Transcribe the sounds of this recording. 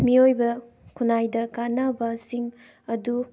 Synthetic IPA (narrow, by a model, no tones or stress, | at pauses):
miojbɐ | kʰunajdɐkanɐbɐsiŋ | ɐdu